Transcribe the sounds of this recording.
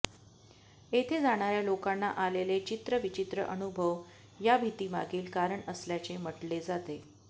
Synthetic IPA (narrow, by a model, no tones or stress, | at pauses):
et̪ʰed͡zaɽ̃aɾjalokanːaʔalelet͡ɕit̪ɾəʋit͡ɕit̪ɾə̰ʔənubʱəʋ | jabʱit̪iːma̰ɡiːlkaɾəɳəsljat͡seməʈled͡zat̪e